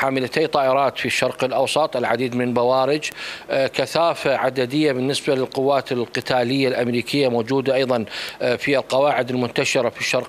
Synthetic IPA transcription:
ħaːmɪlat̪eːt̪ˤɑːʔɪɾˤɑːt̪fiʃːɑɾˤqɪlʔɑwsˤɑt̪ˤʔɪlʕad̪iːd̪mɪnlbawaːɾɪd͡ʒkaθaːfaʕad̪ad̪ɪjːabɪnːɪsbalɪlqʊwːaːt̪ɪlqɨt̪ʰaːlɪjːalʔamɾiːkʰɪjːamoːd͡ʒuːd̪aʔajðˤɑnfialqɑwaːʕɪd̪ɪlmʊt̪ːaʃɪɾafiʃːɑɾˤq

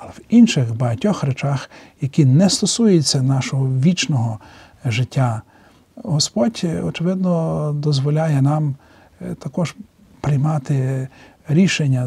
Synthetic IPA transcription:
ɐlˠɛwinʃɪxbɐɦɐtʲɔxɾet͡ʃɑxjɐkʲinɛst̪ɔsujʊt͡sʲːɐnɑʃɔɦɔʋʲit͡ʃnɔɦɔ | ʒɪtʲːa | ɦɔspɔdʲɔt͡ʃɪʋɪd̪nɔd̪ɔzʋɔlʲajɛnɑm | t̪ɐkɔʒ | pɾɪjmɑt̪ɪ | ɾʲiʃenʲːɐ

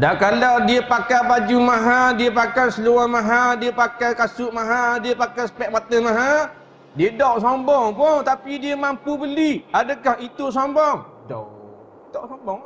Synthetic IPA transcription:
dakaladiəpakabad͡ʒumaɦadiəpakasəluamaɦadiəpakakasʊʔmaɦadiəpakajsə̥pɛʔ̚mat̪əmaɦa | diədɔʔsɔmbɔŋpʊŋt̪apidiəmampubəliadəkahit̪usɔmbɔŋ | dɔ̰ | dɔʔsɔmbɔŋ

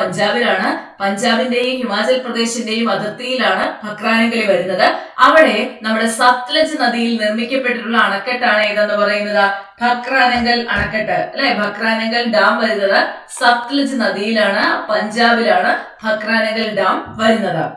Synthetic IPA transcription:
ɐɲd͡ʑaːbilaːɳɨpɐɲd͡ʑaːbinde̞jumhimaːd͡ʑɐlprɐd̪e̞ːɕinde̞jumɐd̪ʱɐt̪ːijilaːɳɨbʱɐkraːnɐŋɡɐɭeʋɐɾunːɐðɨɐʋiɽe̞nɐmːuɽe̞sɐft̪lɐd͡ʑɨnɐðijilnirmikʲːɐpːe̞ʈːiʈːuɭːɐːɳɐkːɐʈːaːɳɨjðenːɨpɐrɐjunːɐðab̥ʱɐkːraːnɐŋɡɐɭɐɳɐkːɐʈːɨɐlːɐjbʱɐkraːnɐŋɡɐɭɖaːmʋɐɾunːɐðɨsɐft̪lɐd͡ʑɨnɐðijilaːɳɨpɐɲd͡ʑaːbilaːɳɨbʱɐkraːnɐŋɡɐɭɖaːmʋɐɾunːɐðɨ̰

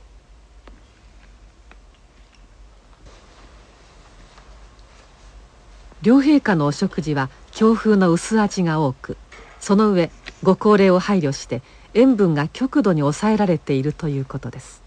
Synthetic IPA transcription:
ɾʲo̞ːɦe̞ːkano̞ːɕo̞kɯ̟ʑiβa | kʲʰo̞ːɸɯːno̞ɯ̟sɨat͡ɕiɡao̞ːkɯ̟so̞no̞ɯ̟e̞ɡo̞ko̞ːɾe̞ːo̞haiɾʲo̞ɕi̥t̪e̞ | ẽ̞mbɯ̟̃ŋɡakʲo̞kɯ̟d̪o̞ɲ̟io̞sae̞ɾaɾe̞t̪e̞iɾɯ̟t̪o̞jɯ̟ːko̞t̪o̞d̪e̞sɨ̥

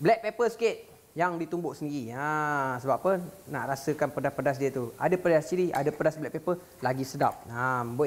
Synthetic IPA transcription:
blɛk̚pepəsə̥kɪt̪̚ | jaŋdit̪umbʊʔsəndiɾiasəbap̚ːənnaʔɾasəkanpədapədas̬diət̪uadəpədasiɾia̰dəpədasblɛk̚pepə | laɡisədap̚ambu

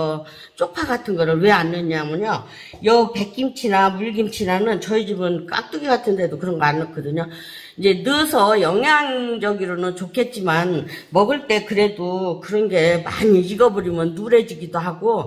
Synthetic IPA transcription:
ʌ | t͡ɕ͈ok̚pʰaɡatʰɯnɡʌɾɯɭwe̞anːɯɲamɯɲo | jʌpe̞k͈imt͡ɕʰinamuɭɡimt͡ɕʰinanɯnt͡ɕʌid͡ʑibɯnk͈a̰k̚t͈ɯɡiɡatʰɯnde̞dokɯɾʌnɡʌanak͈ʌdɯɲo | id͡ʑe̞nɯsʰʌjʌŋɦjaŋd͡ʑʌɡiɾonɯnt͡ɕokʰe̞t̚t͡ɕ͈imanmʌɡɯɭt͈e̞kɯɾe̞dokɯɾʌnɡe̞ma̰ɲiiɡʌbɯɾimjʌnːuɾe̞d͡ʑiɡidoɦaɡo

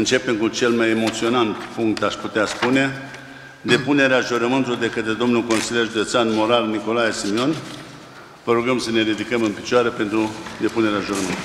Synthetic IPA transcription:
ɨnt͡ʃe̞pe̞mkut͡ʃe̞lmajemo̞t̪sio̞nant̪fuŋkt̪aʃput̪easpune̞ | d̪e̞pune̞ɾeaʒuɾəmɨnt̪ulord̪e̞kət̪ɾe̞d̪o̞mnulko̞nsiljerʒud̪e̞t̪sanmo̞ɾalniko̞laje̞simio̞n | vəɾuɡəmsəne̞ɾid̪ikəmɨnpi̥t͡ʃoaɾepe̞nt̪ɾud̪e̞pune̞ɾeaʒuɾəmɨnt̪ul

